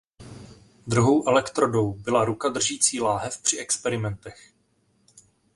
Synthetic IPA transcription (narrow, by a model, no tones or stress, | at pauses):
d̪ɾuɦo̞wʔɛlɛkt̪ɾo̞do̞wbɪlaɾukad̪r̩ʒiːt͡siːlaːɦɛfpr̥ɪʔɛkspɛɾɪmɛnt̪ɛx